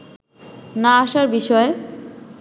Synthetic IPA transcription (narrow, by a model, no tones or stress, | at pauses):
naaʃaɾbiʃɔe